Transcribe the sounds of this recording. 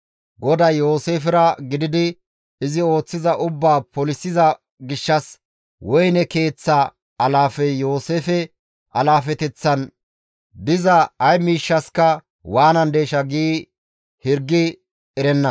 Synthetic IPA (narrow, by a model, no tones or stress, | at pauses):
ɡɔd̪ɐjjo̞ːse̞ːfɪɾɐɡɪd̪ɪd̪ɪ | ɪzɪo̞ːt͡sːɪzɐʔʊbːaːpɔlɪsːɪzɐ | ɡɪʃːɐs | wɔjnɛke̞ːt͡sːɐ | ɐlaːfɛjo̞ːse̞ːfɛ | ɐlaːfɛt̪ɛt͡sːɐn | d̪ɪzɐːjmiːʃːɐskɐ | waːnɐnd̪e̞ːʃɐɡiː | hɪɾɡːɪ | ɛɾɛnːɐ